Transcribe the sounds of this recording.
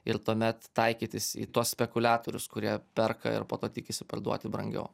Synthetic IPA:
ɪɾt̪uɔmʲɛt̪ːɐɪkʲiːt̪ʲɪsḭːt̪uɔssʲpʲɛkʊlʲæːt̪oːɾʲʊskʊɾʲiɛpʲɛrkɐ̰ɪ̰ɾpoːt̪oːt̪ʲɪkʲɪsʲɪpɐrd̪ṵɔt̪ʲɪbɾɐŋʲɡʲɛ̰ʊ

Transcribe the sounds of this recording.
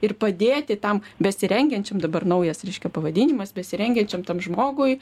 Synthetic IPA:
ɪrpɐd̪ʲeːt̪ʲɪt̪ɐmbʲɛsʲɪɾʲɛŋʲɡʲɛnʲt͡ʃʲɛmd̪ɐbɐrnɐʊjɛsɾʲɛɪʃʲkʲɛpɐʋɐdʲiːnʲɪmɐsbʲɛsʲɪɾʲɛŋʲɡʲɛnʲt͡ʃʲɛmt̪ɐmʒmoːɡʊj

